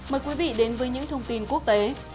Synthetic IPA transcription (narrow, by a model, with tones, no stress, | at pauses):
məː˨˩jkwi˨˦vḭ˧˨ɗe˨˦nvəː˨˦jɲɨ̰˧˥ŋt̪ʰə˧wŋ͡mt̪i˧nku˦˥ək̚t̪e˨˦